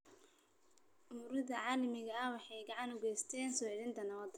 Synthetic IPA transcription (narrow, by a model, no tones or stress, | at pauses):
ʊmʊɾɪðɐʕɑːlɐmɪɣɐːwɑħɑjɡɑʕɑnʊɣɛjst̪ʰɛːnsɔːɪðɪnt̪ʰɐnɐβɐd̪